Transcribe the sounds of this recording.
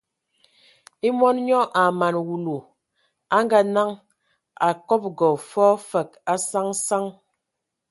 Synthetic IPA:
i˦mɔ˦nɲɔ˦ʔa˨ma˨nwu˨lo˨ | a˦ŋɡa˦na˦ŋ | a˨kɔ˦p̚ɡɔ˨fɔ˦fə˨k̚a˦sa˦ŋsa˦ŋ

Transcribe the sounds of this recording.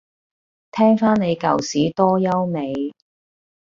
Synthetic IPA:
t̪ʰɛː˥ŋfaː˥nne˨˧jkɐ̰˨˩wsiː˨˥t̪ɔː˥jɐ˥wne˨˧j

